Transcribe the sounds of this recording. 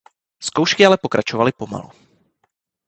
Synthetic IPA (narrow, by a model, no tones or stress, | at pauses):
skowʃkɪalɛpo̞kɾʔat͡ʃovalɪpo̞ma̰lu